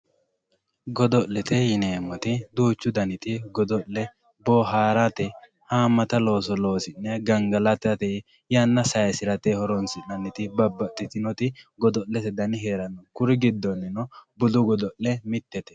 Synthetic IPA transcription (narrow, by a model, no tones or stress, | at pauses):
ɡɔd̪ɔʔlɛt̪ɛjɪneːmːɔt̪ɪd̪uːt͡ʃːʊd̪ɐnɪt̪ɪɡɔd̪ɔʔlɛ | boːɦaːɾat̪ɛ | haːmːɐt̪ɐlo̞ːsɔlo̞ːsɪnːɛɡɐŋɡɐlɐt̪ɐt̪ɛ | janːɐsɐjɐsɪɾɐt̪ɛhɔɾɔnsɪnɐnɪt̪ɪbɐbːɐt̪ʼːɪt̪ɪnɔt̪ɪɡɔd̪ɔʔːɛt̪ɛd̪ɐnɪɦeːɾɐnːɔkʊɾɪɡɪd̪ːɔnːɪnɔbʊlʊɡɔd̪ɔʔɛmɪt̪ːɛt̪ɛ̥